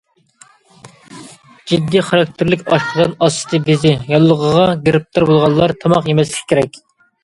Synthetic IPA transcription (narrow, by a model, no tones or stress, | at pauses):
d͡ʒid̪ːiχɑɾɑk̚t̪ʰɪɾlɪkʲɑʃqʰəd̪ɨnɑst̪ɨ̥t̪ʰɨbɪzɪjɑlˠːəʁəʁɑɡʲeɾɪp̚t̪ʰɑɾbolˠʁɑlˠːɑɾt̪ʰɑmɑqjemɛslɪkʲkʲʰːeɾɛkʲ